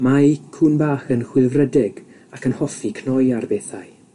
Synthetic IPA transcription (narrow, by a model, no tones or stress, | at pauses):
makʰunbaːχənχwɪlvrədɪɡ̥ | akʰənhɔfikʰnɔjarbeːθaj